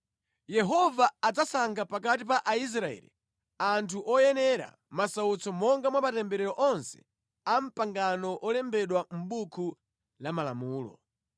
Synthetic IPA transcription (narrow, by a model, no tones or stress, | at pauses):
jɛɦɔvaːd͡zasaŋɡapak̬atip̬aʔais̬ɾaɛ̰lḭ | antʰuʔɔjɛnɛɾa̰ | masaut͡sɔmɔŋɡamwamatɛmbɛɾɛɾɔʔɔnsɛ̥̰ | am̩paŋɡanɔʔɔlɛmbɛɗwam̩ɓukʰu | lamalamuːlɔ̰